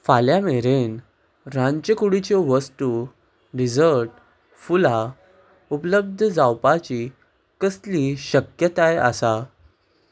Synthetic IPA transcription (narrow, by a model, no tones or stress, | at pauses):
faljameɾen | ɾãɲt͡ɕəkuɽit͡ɕeʋəst̪u | ɾid͡zəɾʈ | fula | upələb̚d̪ʱəd͡zawpat͡ɕi | kəsliɕəkjət̪aja̰sa